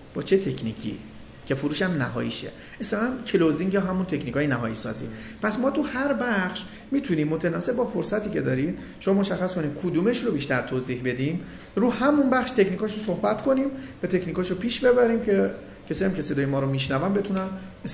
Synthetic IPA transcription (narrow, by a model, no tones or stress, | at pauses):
b̥ɒːt͡ʃʰe̞t̪ʰe̞kʰnḭːcʰḭː | cʰe̞fuɾuːʃæmnæɦɒ̰ːjḭʃḛ | esæɾæncʰeloziŋɡjɒːɦæmunt̪ʰecʰnikʰɒːjenæɦɒ̰ːjisɒ̰ːzḭːpʰæsmɒːt̪ʰuhæɾbæχʃ | miːt̪ʰuniːmːot̪ʰenɒːse̞bbɒːfoɾsæt̪ʰiːcʰe̞d̪ɒːɾid̪̥ | ʃomɒmo̞ʃæxːæsko̞niːd̪kʰud̪uːme̞ʃɾobiːʃt̪æɾt̪ʰoːzihbe̞d̪im | ɾuːhæmunbæχʃt̪ʰecniːkʰɒːʃosohbæt̪kʰo̞nimvæt̪ʰe̞cʰniːkɒːʃopʰiːʃbe̞bæɾiːmcʰe | cʰesɔːjæmcʲʰe̞sed̪ɒːjemɒːɾomiʃnævæmbe̞t̪ʰunænes